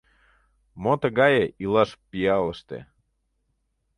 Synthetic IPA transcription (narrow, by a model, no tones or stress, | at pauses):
mot̪əɣɑjeʔilɑʃpiɑləʃt̪ḛ